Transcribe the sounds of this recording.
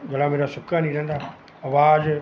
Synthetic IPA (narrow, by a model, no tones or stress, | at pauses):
ɡɐlãmeːɾasʊkanĩːɾɐ̃nd̪aː | ɐʋaːd͡ʒ